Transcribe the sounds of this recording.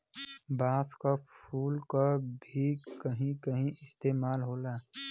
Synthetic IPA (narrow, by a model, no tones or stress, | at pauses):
baːskapʰuːlkabʱikəɦĩkəɦĩɪst̪eːmaːlɦoːlaː